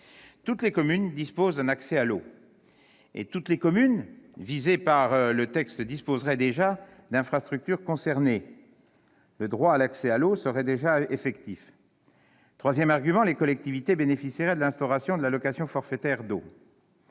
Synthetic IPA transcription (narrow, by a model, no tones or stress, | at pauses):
t̪ut̪lekɔmynd̪ispozd̪ɛ̃naksɛalo | ḛt̪ut̪lekɔmynvizepaʁlət̪ɛkst̪d̪ispozʁɛd̪eʒa | d̪ɛ̃fχast̪χyk̚t̪yʁkɔ̃sɛʁne | ləd̪ʁwaːlaksɛalosəʁɛd̪eʒaefɛkt̪if | t̪χwazjɛmaʁɡʲymɑ̃lekɔlɛk̚t̪ivit̪ebenefisiʁɛd̪əlɛ̃st̪ɔʁasjɔ̃d̪əlalɔkasjɔ̃fɔʁfɛt̪ɛʁd̪o